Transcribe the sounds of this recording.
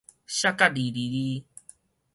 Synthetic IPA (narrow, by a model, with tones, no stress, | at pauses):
ɕa˦ka˦ɖi˨ɾi˨ɾi˦